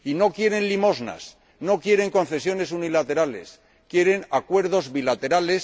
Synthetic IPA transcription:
ino̞kje̞ɾe̞nlimo̞zna̰s | no̞kje̞ɾe̞ŋko̞nθe̞sjo̞ne̞sunilat̪e̞ɾale̞̰s | kje̞ɾenakwe̞ɾð̞o̞zβilat̪e̞ɾale̞s

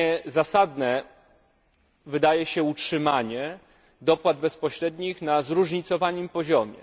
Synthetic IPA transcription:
ɛzasad̪nɛ | vɘd̪ajɛɕɛutʂɘmaɲɛ | d̪ɔpwad̪̚bɛspɔɕɾɛd̪ɲixnazɾuʐɲit̪sɔvaɲɘmpɔʑɔmʲjɛ̰

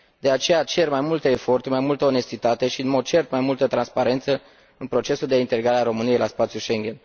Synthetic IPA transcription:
d̪̥e̞at͡ʃe̞jat͡ʃe̞rmajmult̪eːfo̞rt̪uɾmajmult̪əone̞st̪it̪at̪e̞ʃiɨnmo̞d̪̚t͡ʃe̞rt̪majmult̪ət̪ɾanspaɾe̞nt̪sə | ɨnpɾo̞t͡ʃe̞suld̪eint̪eliɡɾaɾeaɾo̞mɨnijejlaspat̪sjuʃe̞ŋɡʲe̞n

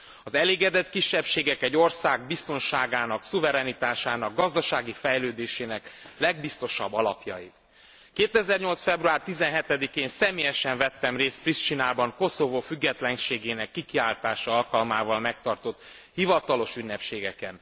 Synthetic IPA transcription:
ɒzɛleːɡɛd̪ɛt̪kiʃːɛpʃeːɡɛkɛɟːo̞rsaːɡ̚bist̪o̞nʃaːɡaːnɒksuvɛɾɛnit̪aːʃaːnɒɡːɒzd̪ɒʃaːɡifɛjløːd̪eːʃeːnɛklɛɡbist̪o̞ʃɒbːɒlɒpjɒ̰ji | keːt̪ɛzɛrɲo̞lt̪sfɛbruaːrt̪izɛnɦɛt̪ɛd̪ikeːnsɛmeːjɛʃɛɱvɛt̪ːɛmreːst̪̚priʃt͡ʃinaːbɒŋko̞so̞voːfyɡːɛt̪lɛnʃeːɡeːnɛkːikiaːlt̪aːʃɒɒlkɒlmaːvɒlmɛk̚t̪ɒrt̪o̞t̪ | hivɒt̪ɒlo̞ʃynːɛpʃeːɡɛkɛn

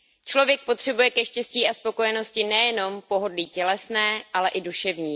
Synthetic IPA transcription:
t͡ʃlo̞vjɛk̚po̞t̪r̥ɛbujɛkɛʃcɛsciːʔaspo̞kojɛno̞scɪnɛjɛno̞mpo̞ɦo̞dliːcɛlɛsnɛːʔalɛʔɪduʃɛvɲiː

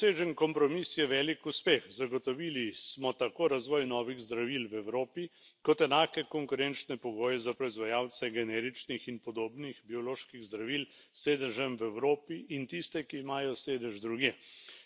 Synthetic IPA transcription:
seːʒənkɔmpɾɔmisjɛʋɛːlikuspeːxzaɡot̪ɔʋilismɔt̪akoːɾazʋɔːjnɔːʋiɣzd̪ɾaʋilwɛwɾoːpikɔt̪ɛnaːkɛkɔŋkʊɾɛnt͡ʃnɛpɔɡoːjɛzapɾɔizʋajaːwt͡ssɛɡɛnɛːɾit͡ʃnixinpɔd̪oːbnixbiɔloːʃkiɣzd̪ɾaʋil | seːd̪əʒɛmwɛwɾoːpiʔint̪ist̪ɛkiːmaːjɔseːd̪əʒd̪ɾuɡjeː

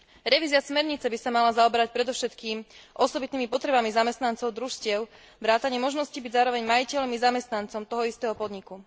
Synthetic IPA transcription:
ɾɛʋiːzɪasmɛɾɲit͡sɛbisamalazaɔbɛɾac̚pɾɛd̪ɔʊʃɛt̪kiːmʔɔsɔbit̪niːmipɔt̪ɾɛbamizamɛst̪nant͡sɔʊd̪ɾuʃscɪɛʊ | ʋɾaːt̪aɲɪɛmɔʒnɔscibiɟzaːɾɔʋɛɲmajicɛʎmizamɛst̪nant͡sɔmt̪ɔɦɔist̪ɛːɦɔpɔd̪ɲiku

